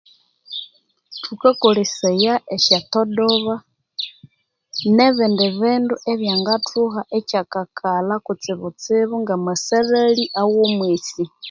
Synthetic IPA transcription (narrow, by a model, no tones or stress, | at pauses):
tʰukakulisejaʔeʃatodoβa | neβɛndɛβinduʔeβjaŋɡatʰuɦaʔecakakʰalakut͡sɪβut͡siβuŋɡamaseɾeliʔawomwisi